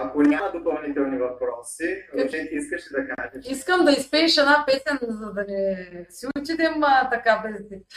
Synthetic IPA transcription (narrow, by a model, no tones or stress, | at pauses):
ɐkonʲamɐd̪opɐlˠnit̪ɛlˠnivɐpɾɔsizɐt̪ɛt̪ʲiiskɐʃɛd̪ɐkaʒɛʃiskəmd̪ɐispɛiʃɛnapɛsɛnzɐd̪ɐnɛsiuut͡ʃid̪ɛmt̪ɐkad̪ɐlɛt̪i